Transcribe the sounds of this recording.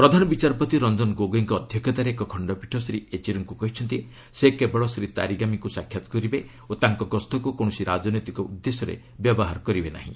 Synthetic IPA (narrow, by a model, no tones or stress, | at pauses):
pɾɔd̪ʱanɔbit͡ʃaɾpɔt̪iɾɔnd͡ʒɔnɡoɡiŋkɔːd̪ʱjɔkɔt̪aɾeekɔkʰɔɳɖɔpiʈʰɔsɾiet͡ʃiɾɔŋkukɔɦit͡ʃʰɔnt̪i | sekebɔɭɔsɾit̪a̰ɾiɡamikusakʰːjat̪ɔ̥kɔɾibe | ot̪aŋkɔɡɔst̪ʰɔkukɔɽ̃ɔsiɾad͡ʒɔnojt̪ikɔud̪ːesɔɾḛ | bjɔbɔɦaɾɔkɔɾibena̰ɦḭ̃